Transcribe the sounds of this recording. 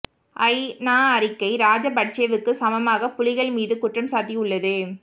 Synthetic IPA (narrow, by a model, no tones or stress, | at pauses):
ʔɐɪnaːɐɾɪkːɐɪɾaːd͡ʒɐpɐʈ̚t͡ʃeːʋɯkːɯsɐmɐmaːɣɐpʊlɪɣɐɭmiːðɯkʊʈrɐmsaːɾʈːiʊɭːɐðɯ